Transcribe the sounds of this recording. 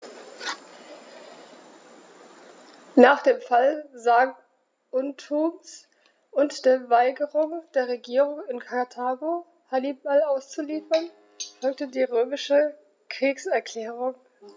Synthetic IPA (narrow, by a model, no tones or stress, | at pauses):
naːχd̥eːmfalzaːɡ | ʔʊntʰuːms | ʔʊntd̥eːɐvaɪɡəʁʊŋd̥eːɐʁeɡiːʁʊŋɪnkʰatʰaːɡo | hanibalaʊst͡suliːfɐn | fɔlk̚tədiːʁøːmɪʃə | kʁ̥iːksɛɐkl̥ɛːʁ̞ʊŋ